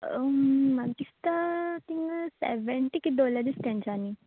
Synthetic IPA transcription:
madist̪at̪iŋsɛ̰ʋeɳʈikid̪olad̪ist̪ãɲt͡ɕani

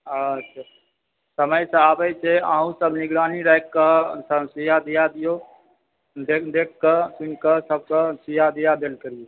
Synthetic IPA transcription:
atːʃʰaː | səməjsə̃aːbəjt͡ʃʰeaːɦũsəbnɪɡɾaːniɾəkːəsəsijad̪ijad̪ijo | d̪ekʰd̪eːkːəsʊnkəsəb̚kəsijad̪ijad̪eːlkəɾijo

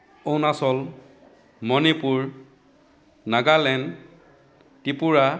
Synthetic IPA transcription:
ownasɔl | mɔnipuɹ | naɡalɛn | tipuɹa

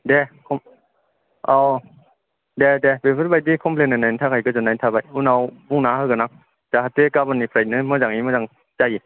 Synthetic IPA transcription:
dɛkʰom | ʔa | dɛdɛbepʰfɯtbajdikʰompʰlenanat̪ʰakʰajkɯt͡ɕanajnt̪ʰabajunawbuŋnaːhakanaŋ̚ | t͡ɕaɦat̪ekabanipʰɾanɯmɯd͡ʒaŋimɯaŋ | t͡ɕai

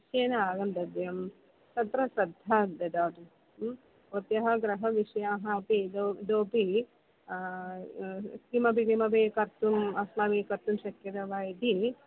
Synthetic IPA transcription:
ʃjeːnɐaːɡɐnd̪ɐd̪jɐm | t̪ɐt̪ɾɐsɐd̪ʱːɐd̪ɐd̪aːʈu | ot̪jɐɦɐɡɾɐɦɐʋiʂɐjaːɦɐːpidd̪oːpi | sɾimɐbikimɐbeːkɐɾt̪umɐsmaːʋeːkɐɾt̪umʃɐkjɐɾɐʋaːjd̪ʱi

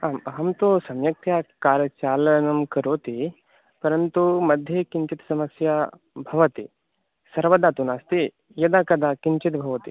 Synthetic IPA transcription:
aːmɦɐmt̪osɐmjɐk̚t̪ʰjaːkaːɾjɐt͡ʃaːlɐnɐmkɐɾoːt̪i | pɐɾɐnt̪umɐd̪ʱjɐkiɲt͡ʃit̪sɐmɐsja | bʱɐʋɐt̪i | sɐɾʋɐd̪aːt̪unaːst̪i | jɐd̪aːkɐd̪ʱaːkiɲt͡ʃit̪bʱɐʋɐt̪i

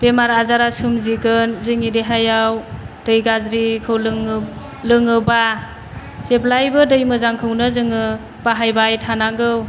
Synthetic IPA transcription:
b̥emaɾazaɾasumziɡɯnzɯŋideɦajawdɯjɡazɾikʰɯwlŋ | lɯŋɯba | zeplajbɯdɯjmɯzaŋkʰɯwnɯzɯŋɯ | b̥aɦajbajtʰanaɡɯw

